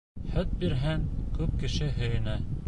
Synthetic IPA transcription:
hœt̪̚biɾɦæŋkʉp̚kɘ̆ʃɘɦɵ̆jɘ̆næ

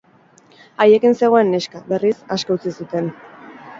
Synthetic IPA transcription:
aje̞kinse̞ɣoenːeʃkabe̞risaskawt͡sisut̪e̞n

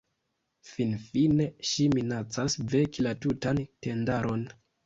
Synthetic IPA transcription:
finfine̞ʃiminat͡sasve̞kilatutante̞ndaɾʔo̞n

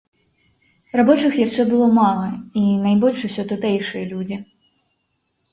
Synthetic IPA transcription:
rabɔt͡ʂɨxjaʂt͡ʂːɛbɨlˠɔmalˠɐinajbɔlʲʂusʲɔt̪ut̪ɛjʂɨjɐlʲud͡zʲi

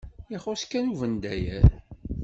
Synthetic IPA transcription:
iχʊskːænuvənd̪æjæɾ

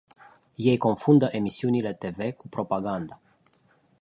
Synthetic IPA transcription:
je̞jko̞nfund̪əʔe̞misiunile̞t̪e̞ve̞kupɾo̞paɡand̪a

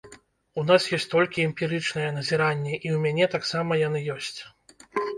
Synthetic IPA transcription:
un̪asjɔsʲt͡sʲt̪ɔlʲkʲiɛmpʲiɾɨt͡ʂn̪ɐjɛn̪ɐzʲiɾanʲːɛʔiwmʲanʲɛt̪aksamɐjanɨjɔsʲt͡sʲ

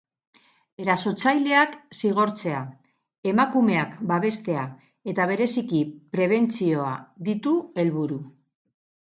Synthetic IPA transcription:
e̞ɾaso̞t͡sajle̞aksiɣ̞o̞ɾt͡se̞a | e̞makume̞akbaβ̞e̞st̪e̞a | e̞t̪aβ̞e̞ɾe̞sikipɾe̞β̞e̞nt͡sio̞a̰d̪it̪ue̞lβuɾu

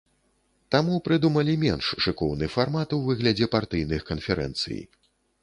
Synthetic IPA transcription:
t̪amupɾɨd̪umɐlʲimʲɛnʂʂɨkɔwnɨfarmat̪uvɨɣlʲɐd͡zʲɛpart̪ɨjnɨxkɐnfʲɛɾɛ̰nt̪sɨ̰j̰

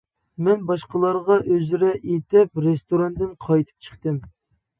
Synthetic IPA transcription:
mɛnbɑʃqəlˠɑɾʁɑʔøzɾɛʔet̪ɪpɾest̪oɾɑnd̪ɪnqʰɑjt̪ʰɨ̥p̚t͡ʃʰə̥χt̪ɨm

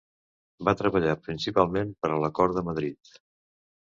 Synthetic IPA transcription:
bat̪ɾəβəʎapɾinsipalˠmenpəɾələkɔɾəməðɾit̪

